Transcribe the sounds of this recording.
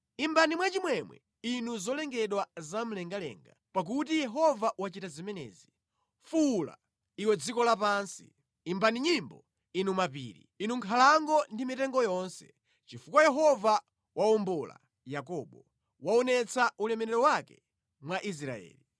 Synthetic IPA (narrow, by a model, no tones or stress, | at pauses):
imbanimwat͡ʃimwɛmwɛ̰ | inuzɔlɛŋɡɛɗwazam̩lɛŋɡalɛ̰ŋɡapak̬utijɛɦɔvaʔwat͡ʃitazimɛnɛ̰ːzi | fula̰ | iwɛd͡zikɔlapaːnsḭ | imbaniɲimbɔ | inumapḭːɾḭinuŋkʰalaŋɡɔndimitɛŋɡɔjɔnsɛ̥ | t͡ʃifukwajɛɦɔva | wʔaɔmbɔla̰ | jakɔːɓɔ | waɔnɛt͡saʔulɛmɛɾɛɾɔwakɛ | mwaʔis̬ɾa̰ɛ̰ːli